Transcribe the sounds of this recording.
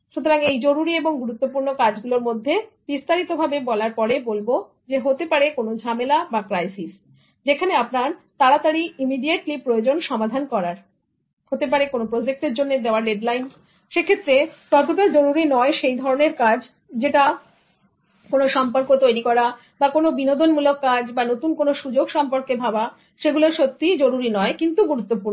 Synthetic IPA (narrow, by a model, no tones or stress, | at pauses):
ʃut̪ʰoɾaŋejd͡ʑoɾuɾieboŋɡuɾut̪ːopuɾnokad͡ʑɡuloɾmod̪ʱːe | bist̪aɾit̪obʱabebɔlaɾpɔɾebolbo | d͡ʑeɦot̪epaɾekonod͡ʑʱamelabakɾajsis | d͡ʑekʰaneapnaɾt̪aɾat̪aɾiimiɖieʈlipɾojod͡ʑonʃɔmad̪ʱankɔɾaɾ | hot̪ep̬aɾekonopɾod͡ʑek̚ʈeɾd͡ʑonːed̪eoaɾɖeɖlajn | ʃekʰet̪ːɾek̪ɔt̪̬oʈad͡ʑoɾuɾinɔeʃejd̪ʱɔɾoneɾkad͡ʑʱ | d͡ʑeʈa | konoʃɔmpoɾkot̪ojɾikɔɾa | bakonobinod̪onmulokːad͡ʑbanot̪unkonoʃud͡ʑoɡʃɔmpoɾkebʱaba | ʃeɡuleɾʃot̪ːid͡ʑoɾuɾinɔekint̪uɡuɾut̪ːopuɾno